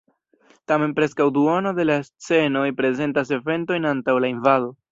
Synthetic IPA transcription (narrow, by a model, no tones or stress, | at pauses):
tame̞npɾe̞skawduonode̞last͡se̞no̞jpɾe̞ze̞ntas̬e̞ve̞nto̞jnantawlainvaðo̞